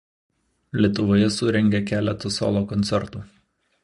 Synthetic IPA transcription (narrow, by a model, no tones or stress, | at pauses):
lʲiɛt̪ʊʋoːjɛsʊɾʲɛŋʲɡʲɛkʲæːlʲɛt̪ɐso̰ːlˠoːkɔnʲt̪sʲɛɾt̪uː